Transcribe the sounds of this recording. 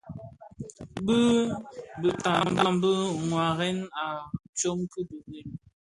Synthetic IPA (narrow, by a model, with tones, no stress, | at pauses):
bə˦ | bə˨ta˨m˦ba˦mbə˦ŋwa˨ɣɛ˦na˨t͡ʃo˦mkə˦bə˨nɛ˦˨n